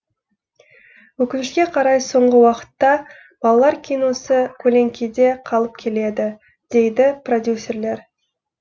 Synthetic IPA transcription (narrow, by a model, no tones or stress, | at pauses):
wɵkʲɪnɪʃkʲe̞qʰɑɾɑjso̞ɴʁəwɑqə̥t̪ːɑ | b̥ɑlˠɑlˠɑɾkʲʰijno̞səkʲʰɵle̞ŋkʲʰed̪e̞qʰɑlˠəp̚kʲʰe̞le̞d̪ɪ | d̪̥e̞jd̪ɪpro̞d̪ʲjusʲːe̞ɾle̞ɾ